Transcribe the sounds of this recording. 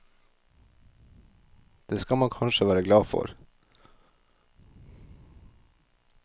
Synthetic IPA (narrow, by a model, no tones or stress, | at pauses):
d̪̥eːskɑmɑnkʰɑnʃəʋæːɾəɡlɑːfɔ̰ɾ